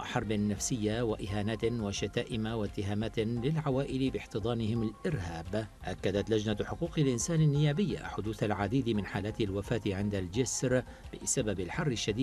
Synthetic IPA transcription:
ʔħɑɾˤbɪnːafsɪjːawaʔɪɦaːnaːt̪waʃat̪aːʔɪmawat̪ːɪɦaːmaːt̪lɪlʕawaːʔɪlbɪħt̪ɨd̪ˤɑːnɪhɪmalʔɪɾhaːbʔakːad̪at̪lad͡ʒnaħʊquːqɪlʔɪnsaːnɪnːɪjaːbɪjːa̰ħʊd̪uːθalʕad̪iːd̪mɪnħaːlaːt̪ɪlwafaːt̪ʕɪnd̪ald͡ʒɪsɾ | bɪ̰sababɪlħɑrˤːɪʃːad̪iː

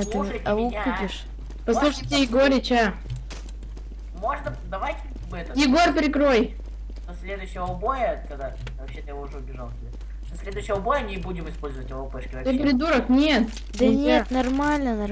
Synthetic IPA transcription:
t̪ɨɐupʲɪʂ | pɐslˠuʂətʲɪjɪɡoɾʲɪt͡ɕa | mo̞ʐnə | d̪ɐvajtʲɪ | vɛt̪əjɪɡo̞rpʲɾʲɪkɾo̞j | d̪ɐsʲlʲe̞d̪ʊɕːɪvəʊbojəkɐɡd̪a | vɐpɕːet̪ɨjɪvoʊʐɛʊbʲɪʐalˠtʲɪbʲe | sʲlʲed̪ʊɕːɪjəʊbojənʲɪbudʲɪmɨspolʲzəvətʲɪvopɛʂkʲɪvɐt̪ɨpɾʲɪd̪uɾəknʲet̪ | d̪ɐnʲet̪nɐrmalʲnənɐ

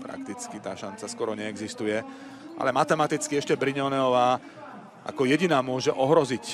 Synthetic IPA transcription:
pɾa̰kt̪it͡skit̪aːʃant͡saskʊɔɾɔɲɛɛɡzist̪ujɛ | ʔa̰lɛmat̪ɛmat̪it͡skiɛʃcɛbɾiɲɔnɛɔʋaː | ʔa̰kɔjɛɟinaːmʊɔʒɛʔɔɦɾɔzic

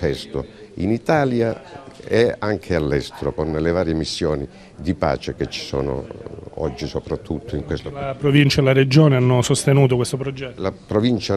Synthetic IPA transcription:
ɛst̪oinit̪aːljaɛaŋkʰealːɛst̪eɾokonːlevaːɾjemisːjɔːni | d̪ipa̰ːt͡ʃek̟et͡ʃːi̥sɔ̰ːno̰ɔ̰d͡ʒːisopɾat̪ʰːut̪ʰːʊiŋkwest̪oapɾovint͡ʃaelaɾed͡ʒoːneanːosost̪enuːt̪okwest̪opɾod͡ʒɛlapɾovint͡ʃa

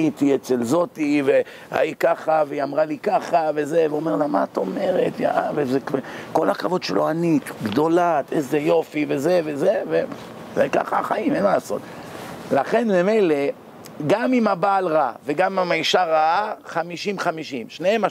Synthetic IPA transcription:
it̪iet͡selzo̞t̪ive | a̰ikaχaveiamʁalikaχavezeveome̞ʁlama̰t̪o̞me̞ʁet̪ja̰ʔavefzekeko̞lakavo̞dʃelʔoanit̪ɡd̪o̞lat̪ezejo̞five̞ze̞vezeve | zeka̰χaːχaimenmalaso̞̰t̪̚laχe̞nmeme̞jle̞ | ɡamimabaːlʁaveɡamiamaiʃaʁaaχamiʃimχamiʃimʃneema

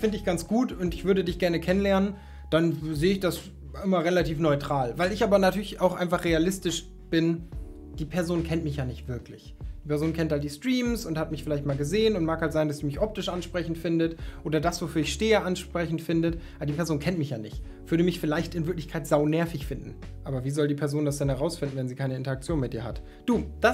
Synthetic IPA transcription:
fɪndəɪçɡ̥ant͡sɡ̥uːtʊntɪçv̥ʏɐɾədɪçɡ̥ɛɐnəkʰɛnənlɛɐnən | d̥anzeːəɪçd̥as | ʔɪmɐʁelatʰiːfnɔʏtʁ̥aːlvaɪlɪçʔaːbɐnatʰyːɐlɪçaʊxʔaɪnfaχʁ̥ealɪstɪʃ | b̥ɪn | d̥iːpʰɛɐzoːnkʰɛntmɪçjaːnɪçtv̥ɪɐklɪç̥ | iːpɛɐzoːnkʰɛnthalt̚d̥iːstʁ̥iːmsʊnthatmɪçfɪlaɪçt̚maːlɡəzeːənʊntmaːkhaltz̥aɪndasd̥iːmɪçʔɔp̚tɪʃʔanʃpʁ̥ɛçn̩tfɪndətʔoːdɐdasv̥ofyːɐɪçʃteːəʔanʃpʁ̥ɛçn̩tfɪndət | adiːpʰɛɐzoːnkʰɛntmɪçjaːnɪç | v̥ʏɐɾəmɪçfɪlaɪçtɪnvɪɐklɪçkʰaɪtz̥aʊnɛɐfɪçfɪndn̩ | ʔaːbɐviːzɔldiːpʰɛɐzoːndasd̥ɛnhɛʁ̞aʊsfɪndn̩vɛnziːkʰaɪnəɪntɐakt͡sjoːnmɪt̚d̥iːɐɦa̰t | d̥uːd̥as

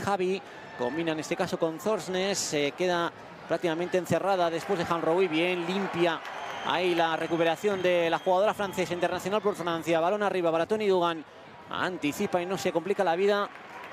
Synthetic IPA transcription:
xaβi | ko̞mbinaene̞st̪e̞kaso̞ko̞nθo̞ɾsneseke̞ða | pɾak̚t̪ikamẽnt̪enθe̞raðaðe̞spwe̞zðexanrowiβje̞nlimpjaa̰ilare̞kupe̞ɾaθjo̞nd̪e̞laxuɣaðo̞ɾafɾanθe̞saint̪eɾnaθjo̞nalpoɾfɾãn̟θjaβalo̞nariβaβaɾat̪o̞niðuɣ̞an | a̰nt̪iθipaino̞se̞komplikalaβiða

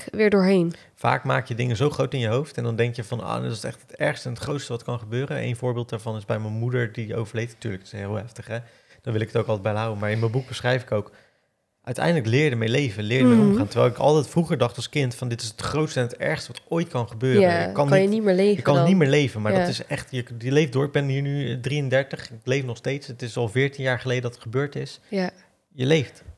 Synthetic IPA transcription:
ʋɪːɹdʊːɹɦejn | fa̰ːkmaːkjədɪŋəzowχrowtɪnjəɦowftɛndɑndɛŋkjəvɑno̰ːdɪtɪ̥sɛ̰χtətɛɹχstəɛnətχrowtstəʋɑtkɑnχəbøːɾənʔḛjnvʊːɹbɪːlˠt̚daːɹvɑnɪzbɛjmənmudəɹdio̰wvəɹlejtnatyːɹləktɪsɦɪːlˠɦɛftəχɛ | d̥ɑnʋɪlˠɪkətowklˠtɛdbɛjlɦawəmaːɹɪnməbuk̚bəsχrɛjfɪkowk | ʔœɥtɛ̰jndələklɪːɹdəmɛjlejvənlɪːɹdəmɛɔmχaːntəɹʋɛ̰jlˠɪkɑ̰lˠtɛjtfruχəɹdɑχtɑlˠskɪntfɑndɪtɪsətχrowtstəɛnətɛ̰ɹχstəʋɑtojtkɑnχəbøːrkɑnnimɪːlejəkːɑnnitmɪːɹlejvənmaːɹdɔtɪsɛχtjəjəlejf̚dʊːɹɪɡ̚bɛnɦiːɹnydriəndɛɹtəχɪklejfnɔχstejtsətɪsɑlˠvɪːɹtinjaːɹχəlejdədɑtətχəbøːɹtɪs | jəlejft

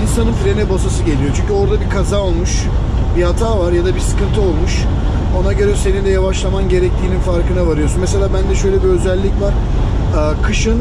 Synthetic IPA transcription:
insanɯnfɾe̞nɛbasasɯɟe̞lʲijo̞t͡ʃʰyɲʲcyo̞ɾd̪abikʰazaːolˠmuʃ | bihat̪ʰaːvaɾjad̪abisɯ̥kɯnt̪ʰɯo̞lˠmuʃ | o̞naɟøɾɛse̞nind̪ɛjavaʃlˠamanɟe̞ɾɛc̚t̪ʰiːninfaɾkɯnavaɾɯjo̞sunmes̬e̞lʲaːbænd̪ɛʃø̞jlʲɛbiø̞zælʲːicvaɾ̥ | ɯːkʰɯʃɯn

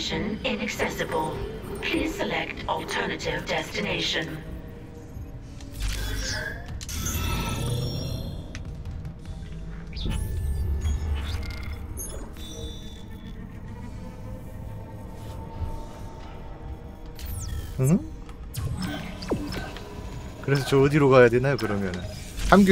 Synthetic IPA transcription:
ʃə̃nɪ̃nəksɛsəbəlˠpʰl̥iːz̥səlɛktʰɔlˠtʰɜːnətɪvdɛstɪneɪʃə̃n | ɯh̩ | kɯɾe̞sʰʌt͡ɕʌːdiɾoɡajadwenajok̬ɯɾʌmjʌnɯn | hamɡ

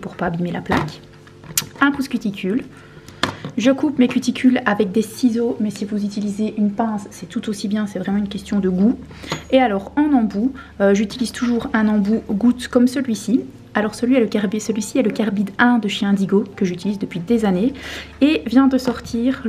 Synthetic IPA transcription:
puʁpaːbimelaplak | ɛ̃puskʲyt̪ikʲʰyl | ʒəkupmekʲyt̪ikʲylavɛk̚d̪esizomɛsivuzyt̪ilizeʔynpɛ̃sːɛt̪ut̪osibjɛ̃sɛvʁɛmɑ̃ynkʲɛst̪jɔ̃d̪əɡu | ealɔːʁɑ̃nɑ̃bu | øʒyt̪iliz̥t̪ʰuʒuːʁɛ̃nɑ̃buɡut̪kɔmsəlɥisi | alɔʁsəlɥiɛləkʲɛʁbisəlɥisiɛləkʲaʁbid̪ɛ̃d̪əʃjɛ̃d̪iɡokəʒyt̪ilizd̪əpɥid̪ezaneevjɛ̃d̪əsɔʁt̪ʰiːʁ

